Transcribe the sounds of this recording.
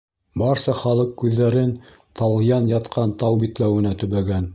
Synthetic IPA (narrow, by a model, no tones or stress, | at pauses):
bɑɾsɑχɑlˠɤqːʉðːæɾɘn | t̪ɑl̆ˠjɑnjɑt̪qʰɑnt̪ɑwbit̪læwɘ̆næt̪ɵ̆βæɡæn